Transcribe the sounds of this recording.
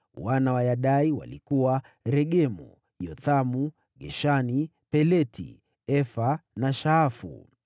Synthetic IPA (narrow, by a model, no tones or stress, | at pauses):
wanawajaɗaiwa̰lḭkuwa | ɾɛɠɛmṵ | jɔθamu | ɠɛʃani | pɛlɛtḭ | ɛfanaʃaːfṵ